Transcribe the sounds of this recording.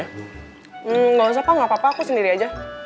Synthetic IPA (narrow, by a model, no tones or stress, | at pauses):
m̩ɡɔs̬apaŋapapaːkusəndiɾiad͡ʒa